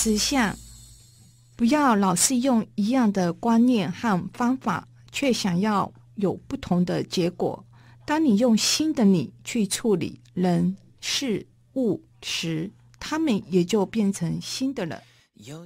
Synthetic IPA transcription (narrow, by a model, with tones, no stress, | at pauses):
ʂɹ̩˨˩ɕjɑ˥˩ŋ | pu˧˥jɑ˥˩ʊlɑ˨˩ʊʂɻ̩˥˧jʊ˥˩ŋi˧˥jɑ˥˩ŋd̪ə˨kwa˥nnjɛ˥˧nxa˥˩nfɑ˥ŋfa̰˨˩ | t͡ɕʰɥɛ˥˩ɕjɑ˨˩ŋjɑ˥˩ʊ | jo˨˩ʊpu˥˩t̪ʰʊ˧˥ŋd̪ə˧t͡ɕjɛ˧˥kwɔ̰˨˩˦ | t̪ɑ˥ŋni˨˩jʊ˥˩ŋɕi˥nd̪ə˨ni˨˩t͡ɕʰy˥˧ʈ͡ʂʰu˥˩lḭ˨˩˦ | ɻə˧˥n | ʂɻ̩˥˧ | u˥˩ | ʂɻ̩˧˥ | t̪ʰa˥mə˨njɛ˨˩t͡ɕjo˥˧ʊpjɛ˥˩nʈ͡ʂʰə˧˥ŋɕi˥nd̪ə˨lə̰˧˦n